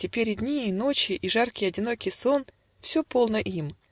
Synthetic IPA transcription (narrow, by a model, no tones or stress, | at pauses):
tʲɪpʲeɾʲɪdʲnʲiːno̞t͡ɕɪʔiʐarkʲɪjɐdʲɪno̞kʲɪjso̞n | fsʲɵpo̞lˠnəʔim